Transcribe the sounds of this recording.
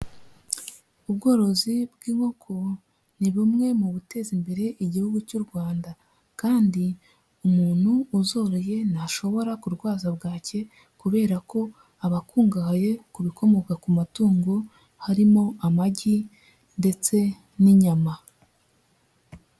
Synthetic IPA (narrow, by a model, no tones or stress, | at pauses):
uβɡo̞ːɾo̞zibɡiːŋho̞kʰo̞ | niβimŋe̞muβute̞ːzimbe̞ɾe̞ʔiɟihuɡucuɾɡwaːnda | kaːndi | umuːn̥huːzo̞ːɾoje̞naʃo̞βo̞ɾakuɾɡwaːzabɡaːcʰe̞ | kuβe̞ːɾako̞ | aβakuːŋɡahaje̞kuβikʰo̞mo̞kakumatuːŋɡo̞ | haɾimo̞amaɟi | nde̞t͡se̞ | niɲama